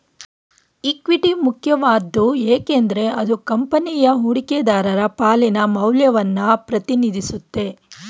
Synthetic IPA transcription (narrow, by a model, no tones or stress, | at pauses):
ikʋiʈimukʰjɐʋaːd̪ːueːkend̪ɐɾe̞ɐd̪ukɐmpɐnijɐɦuɽiked̪aːɾɐɾɐpaːlinɐmɐwljɐʋɐnːɐpɾɐt̪inid̪ʱisut̪ːe̞